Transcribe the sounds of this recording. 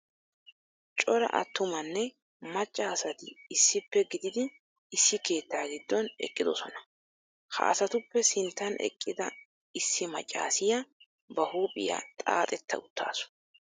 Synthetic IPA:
t͡ʃʼɔɾɐ̰ʔɐ̰t̪ːʊmɐnːɛ | mɐt͡ʃʼːaːsɐt̪ɪːsːɪpːɛɡɪd̪ɪd̪ɪ | ɪsːɪke̞ːt̪ːaːɡɪd̪ːɔnɛ̰kʼːɪd̪ɔsɔnɐ | hɐ̰ʔɐ̰sɐt̪ʊpːɛsɪnt̪ːɐnʔɛ̰kʼːɪd̪ɐ | ɪsːɪmɐt͡ʃʼːa̰ːsɪjɐ | bɐhuːpʼɪ̰ja̰t̪ʼa̰ːt̪ʼɛt̪ʰːɐ̰ʊt̪ːa̰ːsʊ̥

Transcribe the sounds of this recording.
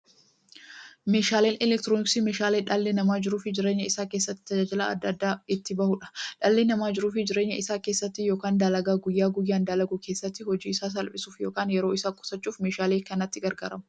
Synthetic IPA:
me̞ːʃaːleːnɛlɛkt̪ɪɾoːnɪksime̞ːʃaːleːᶑɐlːenɐmaːd͡ʒɪɾuːfɪd͡ʒɪɾeːɲːɐɪsaːkeːsːɐt̪ːɪ̥t̪ɐd͡ʒaːd͡ʒɪla̰ːɐd̪ːɐd̪ːaːɪt̪ːɪbɐhʊᶑɐ̥ᶑɐlːeːnɐmaːd͡ʒɪɾuːfɪd͡ʒɪɾe̞ːɲːɐɪsaːkeːsːɐt̪ːɪjo̞ːkaːnd̪aːlɐɡaːɡʊjːaːɡʊjːaːnd̪aːlɐɡukʰe̞ːsːɐt̪ːɪhɔd͡ʒiːɪsaːs̬ɐlpʼɪsuːfjo̞ːkaːnjɛɾo̞ːɪsaːkʼʊ̥sɐt͡ʃːuːfme̞ːʃaːleːkɐnɐt̪ːɪɡɐɾɡa̰ːɾɐmɐ̥

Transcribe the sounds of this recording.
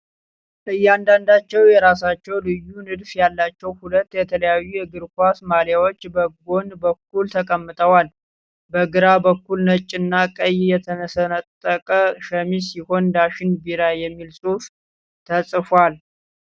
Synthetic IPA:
ʔɨjːand̪and̪at͡ʃːɛwjɛɾasat͡ʃːɛwlɨjːunɨd̪fjalːat͡ʃːɛwhulət̪ːjɛt̪ʰələjajːujɛɡɨɾkʷasmaljawo̞t͡ʃːbəɡo̞nbəkːult̪ʰəkʼəmːɨt̪ʰʼəwal | bəɡɨɾabəkːulnət͡ʃʼːɨnːakʼəjjɛt̪ʰənəsənət̪ʼːəkʼəʃəmisiho̞nd̪aʃɪnbiɾajɛmːilsʼuf | t̪ʰəsʼfwal

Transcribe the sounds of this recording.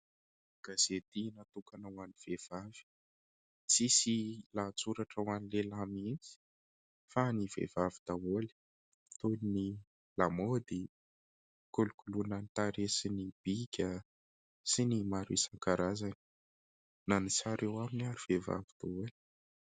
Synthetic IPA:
ɡ̥az̥et̪inat̪ukanawaniv̥ev̥av̥i̥ | t͡sisilat͡suɾaʈ͡ʂəwanilelamint͡si̥ | faniv̥ḛvavid̪̥awoli̥ | t̪onini | lamod̪i | kulukulunant̪aɾesinib̥ikʲə | sinimaɾḭsaŋkaɾazani̥ | nanisaɾewaminaɾiv̥eva̰vid̪̥awoli̥

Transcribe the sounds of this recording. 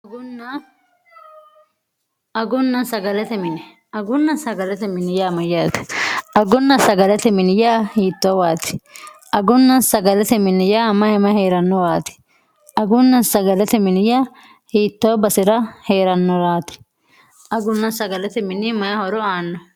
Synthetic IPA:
ɡʊnːɐ | ɐɡʊnːɐsɐɡɐlɛt̪ɛmɪnɪ | ɐɡʊnːɐsɐɡɐlɛt̪ɛmɪnɪjaːmɐjaːt̪ɪ̥ʔɐɡʊnːɐsɐɡɐlɛt̪ɛmɪnɪjaːhiːt̪ːoːwaːt̪ɪ̥ʔɐɡʊnːɐnsɐɡɐlɛt̪ɛmɪnɪjaːmɐjɛmɐheːɾɐnːɔwaːt̪ɪ̥ | ɐɡʊnːɐsɐɡɐlɛt̪ɛmɪnɪja | hiːt̪ːoːbɐsɪɾɐhe̞ːɾɐnːɔɾaːt̪ɪ̥ | ʔɐɡʊnːɐsɐɡɐlɛt̪ɛmɪnɪmɐjɐhɔɾɔaːnːɔ

